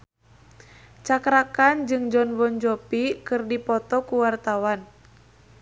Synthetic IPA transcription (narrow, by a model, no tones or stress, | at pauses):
t͡ʃakɾakand͡ʒɨŋd͡ʒɔnwɔnd͡ʒɔpikɨrdipɔt̪ɔkuwart̪awan